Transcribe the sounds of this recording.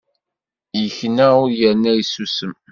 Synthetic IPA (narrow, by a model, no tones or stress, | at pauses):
jəçnæʊɾjəɾnæisusəm